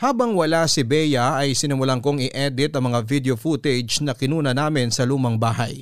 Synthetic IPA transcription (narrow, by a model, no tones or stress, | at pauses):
haːbɐŋwɐlasɪbɛjɐɐjsɪnɪmʊlɐŋkoŋɪʔɛd̪ɪt̪ɐŋmɐŋavid̪eofut̪ɛd͡ʒnɐkɪnuːnɐnaːmɪnsɐluːmɐŋbaːɦɐ̰j